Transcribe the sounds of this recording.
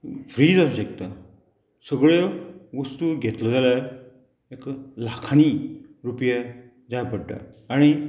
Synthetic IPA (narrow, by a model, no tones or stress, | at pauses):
fɾiːd͡zasuɕəkt̪a | səɡɭjɔʋəst̪uɡʱet̪lɔd͡zala | eklakʰañiɾupja | d͡zajpəɽʈa̰ːɽ̃i